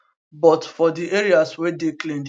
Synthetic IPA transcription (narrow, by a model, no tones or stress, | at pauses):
bɔtfɔdiʔeɾiaswɛdeklẽnd